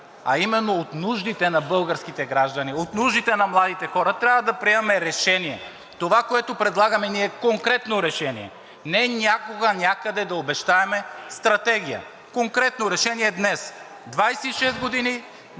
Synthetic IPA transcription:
ɐ̰imɛnːoot̪nuʒd̪it̪ɛnɐbɤlˠɡəɾsk̟it̪ɛɡɾaʒd̪ɐniot̪nuʒd̪it̪ɛnɐmlˠad̪it̪ɛxɔɾɐt̪ɾʲavɐd̪ɐpɾiɛmɐmɛɾɛʃɛniɛ | t̪ovakoɛt̪opɾɛd̪lˠaɡɐmɛniɛkoŋkɾɛt̪noɾɛʃɛniɛ̰ | nɛnʲakoɡanʲakəd̪ɛd̪ɐobɛʃt̪aɛmɛst̪ɾɐt̪ɛɡijə̰ | koŋkɾɛt̪noɾɛʃɛniɛd̪nɛs | d̪vajsɛiʃɛst̪ɡod̪ini

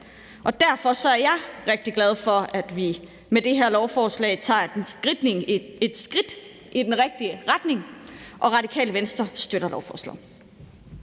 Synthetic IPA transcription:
ʔɒ̽d̥æɐfɒ̽sɒ̽æɐjɑ̈ɪʁeɡ̥̚d̥iɡ̥læð̞ˠfɒ̽æd̥ʋi | med̥e̝ɦeɐlɒʊfɒːslɛ̰ɪt͡sʰɑ̰̈ːd̥ensɡ̥ʁid̥ne̝ŋe̝d̥sɡ̥ʁid̥ | ʔid̥enʁeɡ̥̚d̥iəʁad̥ne̝ŋʔɒ̽ʁɑ̈d̥ikʰɛ̰ːləʋensd̥ɐsd̥øɾ̥ɐlɒʊfɒ̰ːslɛ̰

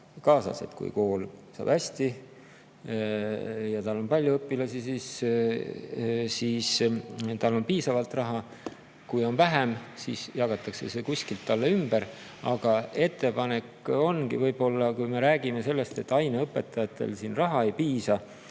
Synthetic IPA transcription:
kɑːsɑ̰se̞̰t̪kṵjko̞ːlsɑ̰ːb̥æsʲt̪i | jɑt̪ɑlːo̞npɑlʲjuɤpːˑilɑsisis | siːst̪ɑlːo̞npiːsɑvɑlt̪rɑɦɑ | kujo̞nvæɦemsisjɑɡɑt̪ːˑɑkse̞̰se̞kusʲkilt̪ːɑlːeymb̥eɾ | ɑɡ̥ɑe̞t̪ːe̞pɑne̞ko̞nkivɤjb̥o̞lːɑkujme̞ɾæːɡime̞se̞lːe̞st̪e̞t̪ːˑɑjneɤpːˑe̞t̪ːˑɑjɑt̪ːˑe̞̰lsiːnrɑɦɑe̞jpiːsɑ

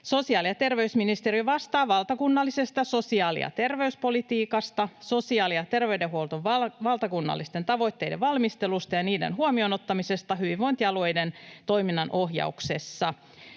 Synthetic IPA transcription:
so̞siɑːliɑt̪e̞rʋeysminist̪eriʋɑst̪ɑːʋɑlt̪ɑkunːɑlːise̞st̪ɑso̞siɑːlḭɑ̰t̪erʋe̞yspo̞lit̪iːkɑst̪ɑso̞siɑːliɑt̪e̞rʋeydeɦuolt̪oʋʋɑʋɑlt̪ɑkunːɑ̰lːist̪e̞nt̪ɑʋo̞jt̪ːe̞jdeʋʋɑlmist̪elust̪ɑjɑniːdḛnɦuomionot̪ːɑmise̞st̪ɑɦyʋiʋʋoint̪iɑlo̞jdent̪o̞jminːɑnʔoɦjɑ̰ukse̞sːɑ

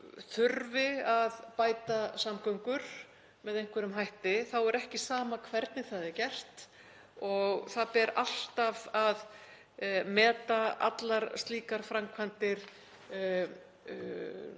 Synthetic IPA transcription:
θʏɾvɪaðpaːjt̪asamkœwŋkʏɾ̥ | mɛðejŋ̥kʰvɛɾʏmɦajht̪ɪθawɛɾɛhcɪsaːmakʰvɛɾt̪nɪθaðɛɾcɛr̥t̪ | ɔɣθaðpɛɾal̥t̪avað | mɛːt̪aa̰t̪laɾst̪liːkaɾ̥fɾamkʰvant̪ɪɾ̥

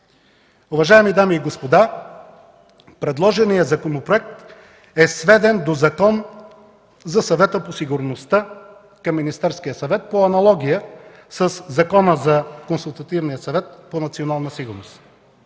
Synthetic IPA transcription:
ʊvɐʒaɛmid̪amiːɡospod̪a | pɾɛd̪lˠɔʒɛnijəzɐkonopɾoɛk̚t̪ | ɛsvɛd̪ɛnd̪ozɐkɔn | zɐsɐvɛt̪əposiɡʊɾnost̪a | kɐmːinist̪ɛɾskijəsɐvɛt̪̚poɐnɐlˠɔɡʲijə | səszɐkɔnəzɐkonsulˠt̪ɐt̪ivnijəsɐvɛt̪̚ponɐt̪sionalˠnəsiɡʊɾnos

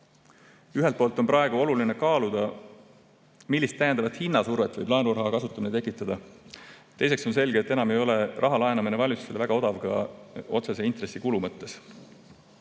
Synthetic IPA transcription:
yɦelt̪̚poːlt̪ːˑo̞npɾɑe̞ɡ̥uo̞luline̞kɑːlud̪̥ɑ | milʲːist̪ːæjend̪ɑvɑt̪hinːɑsurvet̪ːˑvɤjb̥lɑenurɦɑkɑsut̪ːˑɑminet̪e̞kːˑit̪ːˑɑd̪̥ɑ | t̪e̞jse̞kso̞ns̬e̞lɡ̥et̪ːe̞nɑme̞jo̞le̞rɑɦɑlɑe̞nɑminevɑlʲuselvæɡ̥ɑo̞d̪̥ɑvɡ̥ɑ̰o̞t̪sese̞int̪re̞sːikulumɤt̪ːˑe̞s

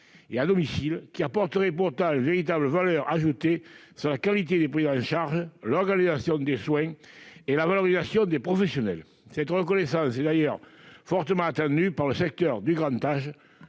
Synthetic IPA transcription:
ead̪ɔmisilkʲiapɔʁt̪əʁepuʁt̪ɑ̃lẽveʁit̪abləvalœʁaʒut̪esyʁlakalit̪ed̪epʁizɑ̃ʃaʁʒəlɔʁɡanizasjɔ̃d̪eswɛ̃elavaloʁizasjɔ̃d̪epχɔfesjɔnɛl | sɛt̪əʁəkɔnesɑ̃sɛd̪ajœʁfɔʁt̪əmɑ̃at̪ɑ̃nd̪ypaʁləsɛk̚t̪œʁd̪yɡʁɑ̃nt̪aʒə

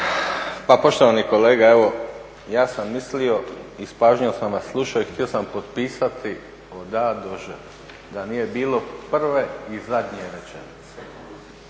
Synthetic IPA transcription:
papo̞ʃt̪o̞ʋaniko̞le̞ːɡae̞ʋo̞ | jaːsamːislio̞ispaːʒɲiosnamaslˠuʃaoixt̪io̞sampo̞t̪piːsat̪ʰi | od̪ad̪oʒə | d̪anije̞biːlo̞pr̩ʋeizad̪ɲieʋet͡ʃḛnit̪se̥

